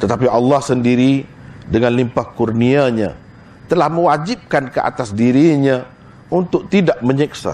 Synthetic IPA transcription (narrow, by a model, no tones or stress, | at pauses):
t̪ət̪apiɑlːɑhsəndiɾi | dəŋãnlimpahkurniaɲã̰ | t̪əlahmə̃wad͡ʒip̚kankəʔa̰t̪asdiɾiɲã | unt̪ʊk̚t̪idaʔmə̃ɲiksa̰